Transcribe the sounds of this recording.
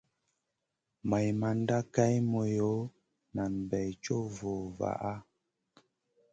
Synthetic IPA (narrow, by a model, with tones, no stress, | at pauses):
ma˨jma˨n˦da˦ka˦jmo˨jo˨˦ | na˨m˨bɛ˨jt͡ʃo˦vo˨va̰˨ʔa˦